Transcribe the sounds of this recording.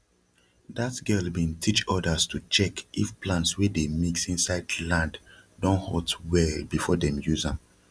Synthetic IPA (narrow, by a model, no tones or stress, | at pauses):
datɡɛlbĩntʰit͡ʃɔdəstʰut͡ʃɛkifplãntswedemiksĩnsaɪdlãnddɔ̃nhɔtwɛlbifɔdɛ̃mjuzã